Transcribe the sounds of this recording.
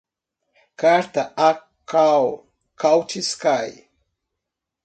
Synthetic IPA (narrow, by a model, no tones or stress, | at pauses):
kaɾt̪ɐa | kaw | kawt͡ʃiskaj